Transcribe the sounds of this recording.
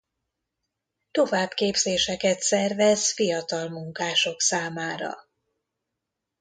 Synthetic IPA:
t̪o̞vaːbkeːbzeːʃɛkɛt̪sɛrvɛzfijɒt̪ɒlmuŋkaːʃo̞ksaːmaːɾɒ̰

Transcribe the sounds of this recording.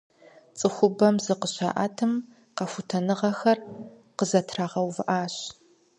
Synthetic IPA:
t͡sʼɨxʷʊbɐmzɨqəɕa̰ːʔa̰ːtʰɨm | qɐfutʰɐnɨʁɐxɐr | qəzɐtʰraːʁɐwvɨʔaːɕ

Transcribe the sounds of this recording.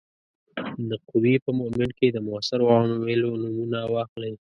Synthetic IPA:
d̪əqʊwipəmʊmɪɳ̚ked̪əmʊasaɾwɑnowelonumunawɑxləj

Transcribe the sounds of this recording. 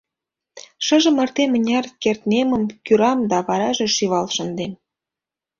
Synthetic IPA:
ʃə̆ʒə̆mə̆rt̪emənʲɑrkert̪nemə̆mkyɾɑmd̪ɑβɑɾɑʒĕʃiβɑlʃə̆nd̪em

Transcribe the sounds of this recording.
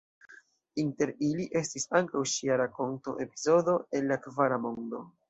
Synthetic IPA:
inte̞ɾiliʔe̞stisaŋkawʃiaɾako̞nto̞ʔe̞pizo̞do̞e̞nːakvaɾamo̞ndo̞

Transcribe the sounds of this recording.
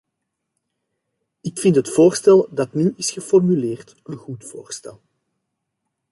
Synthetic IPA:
ɪkfɪntɦətfoːrstɛlˠdɑtnyʔɪsxəfɔrmyleːrt | ənɣutfo̰ːrstɛ̰lˠ

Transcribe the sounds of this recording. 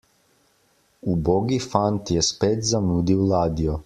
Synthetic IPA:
uboɡifant̪jɛspeːt̪zamuːd̪iwlaːd̪ijɔ

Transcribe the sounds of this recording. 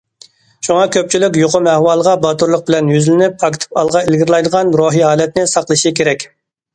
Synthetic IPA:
ʃuŋɑkʲʰøp̚t͡ʃʰilɪkʲjoqʰʊmɛhwɑːlˠəʁɑbɑt̪uɾlˠəq̚bɪlɛnjyzlɪnypɑkʲɪ̥t̪ʰɨ̥pɑlˠʁɑɪlɡʲɪɾlˠɑjd̪əʁɑnɾoːɦiɦɑːlɛt̪nɪsɑqlˠɨʃikʲʰeɾɛkʲ

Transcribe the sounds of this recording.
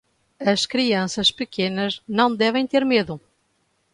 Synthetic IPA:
ɐʃkɾiɐ̃sɐʃpɨkenɐznɐ̃w̃d̪ɛvẽj̃t̪eɾmeðʊ

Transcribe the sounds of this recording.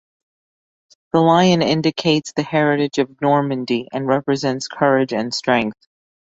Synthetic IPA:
ðəlaɪɨ̃nɪ̃ndɨkʰeɪtsðɨhɛɹɨɾɨd͡ʒʌvnɔɹmɨ̃ndiʔɨ̃nɹɛpɹɨzɛ̃ntskʰɜ˞ɪd͡ʒɨ̃nstɹ̥ɛ̃ŋk̚θ

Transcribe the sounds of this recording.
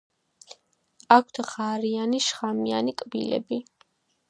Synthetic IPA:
akʷʰt̪ʰʁaɾianiʃχamianikʼbḭlɛ̰bi

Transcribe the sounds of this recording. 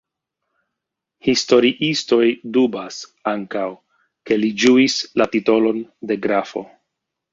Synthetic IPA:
histo̞ɾiʔisto̞jdubasaŋkaw | ke̞lid͡ʒuislatito̞lo̞nde̞ɡɾafo̞̰

